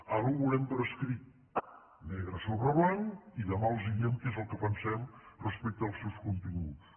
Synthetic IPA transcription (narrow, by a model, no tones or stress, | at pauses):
alˠɣuβulɛmp̪ɾəskɾit̪̚ | nɛɣɾəsoβɾəβlaŋiðəmaəlˠziɣemkezəlˠkəpənsɛmrəspɛk̚t̪əlˠsɛwskunt̪iŋɡṵt͡s